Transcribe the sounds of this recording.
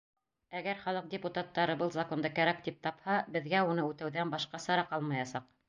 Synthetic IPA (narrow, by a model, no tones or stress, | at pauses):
æɡæɾχɑlˠɤq̚dʲɪput̪at̪ːɑɾɤbɤlˠzako̞nd̪ɤkæɾæk̚t̪ip̚t̪ɑphɑbɘ̆ðɡæunɤʉt̪æwðænbɑʃqɑsɑɾɑqɑlˠmɑjɑsɑq